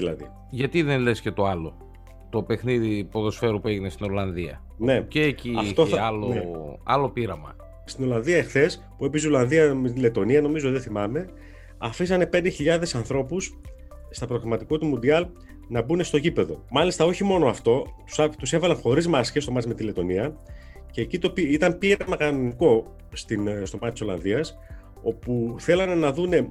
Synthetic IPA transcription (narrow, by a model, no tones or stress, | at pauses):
ðilɐ̰ðḭ | ʝɐt̪iðenlesce̞t̪o̞ɐlo̞ | t̪o̞pe̞xniðipo̞ðo̞sfe̞ɾupue̞ʝinest̪ino̞lɐnðiɐ̰ | nne̞ceːciɐft̪oɐloeɐ̰lo̞piɾɐmɐ̰ | st̪ino̞lɐnðiɐexθe̞s | puepisolɐnðiɐmet̪ile̞t̪o̞niɐno̞mizot̪iðeθimɐme̞ | ɐfisɐne̞pnd̪e̞çiʎɐðe̞sɐnθɾo̞pus | st̪ɐpɾo̞ɣɾɐmɐt̪iko̞t̪umund̪iɐl | nɐbune̞st̪oʝipe̞ðo̞̰mɐlist̪ɐo̞çimo̞noɐft̪o̞t̪u̥sɐt̪use̞vɐlɐnxo̞ɾizmɐsçe̞st̪o̞mɐtt͡sme̞t̪ile̞t̪o̞niɐ | ce̞ːcit̪o̞piit̪ɐmpiɾɐmɐkɐno̞niko̞ | st̪inst̪o̞mɐt̪t̪iso̞lɐ̰nðiɐs | o̞puθe̞lɐnenɐðune̞